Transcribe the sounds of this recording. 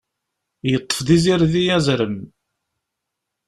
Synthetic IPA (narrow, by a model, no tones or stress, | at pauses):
jət̪ˤːə̥fðiziɾðijæzɾəm